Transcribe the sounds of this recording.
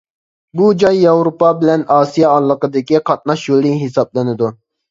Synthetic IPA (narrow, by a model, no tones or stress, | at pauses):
bud͡ʒɑjːɑwɾopɑbɪlɛnɑːsijɑːlˠːəqəd̪ɪkʲiqʰɑt̪̚nɑʃjolˠɪɦesɑblˠɨnɪd̪u